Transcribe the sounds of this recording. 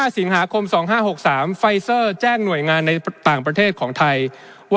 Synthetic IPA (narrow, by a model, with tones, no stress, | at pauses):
aː˥˩si˨˩˦ŋɦaː˩˦kʰo˧msɔː˩˦ŋɦaː˥˩ɦo˨˩k̚saː˩˦mfa˧jsɤː˥˩t͡ɕɛː˥˩ŋnu˨˩əjŋaː˧nːa˧jt̪aː˨˩ŋp̬ɾa˧t̪ʰeː˥˩t̪̚kʰɔː˩˦ŋt̪ʰa˧j | w